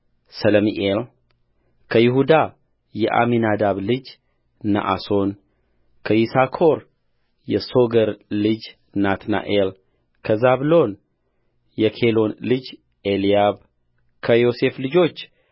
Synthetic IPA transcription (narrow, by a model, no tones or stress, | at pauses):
sələmiʔel | kʰəjɪɦud̪a | jɛʔa̰minad̪aβlɨd͡ʒ | na̰ʔa̰so̞n | kʰəjisakʰo̞ɾ | jɛso̞ɡəɾlɨd͡ʒ | nat̪na̰ʔel | kʰəzaβlo̞n | jɛkʰe̞lo̞nlɨd͡ʒ | elijaβ | kʰəjo̞se̞flɨd͡ʒo̞t͡ʃː